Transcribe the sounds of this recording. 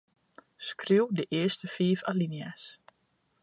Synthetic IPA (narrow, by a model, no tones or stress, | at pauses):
skriwdəʔɪəstəfiːfalinias